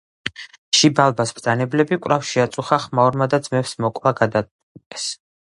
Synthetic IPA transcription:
ʃibalˠbasbd̪zʼanɛblɛbikʼɾafʃiat̪sʼuχaχmaɔɾmad̪ad̪zmɛfsmɔkʼvaɡad̪a | kʼɛs

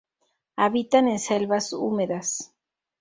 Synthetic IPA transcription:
aβit̪ane̞nselβasṵmeðas

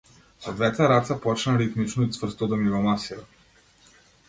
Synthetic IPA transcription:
sɔd̪vɛt̪ɛɾat̪sapɔt͡ʃnaɾit̪mit͡ʃnoit̪svɾ̩st̪ɔd̪amivɔmasiɾa

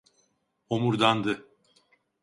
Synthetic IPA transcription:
omuɾd̪and̪ɯ

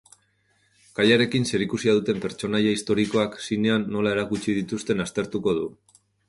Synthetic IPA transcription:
kaʎaɾe̞kinse̞ɾikusiaðut̪e̞mpe̞ɾt͡ʃo̞najaist̪o̞ɾiko̞aksine̞anːo̞lae̞ɾakut͡ʃiðit̪ust̪e̞nast̪e̞ɾt̪uko̞ð̞u

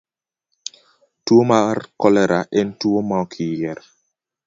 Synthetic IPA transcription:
twomarkɔlɛɾaʔɛntwomakʰɪjɛɾ

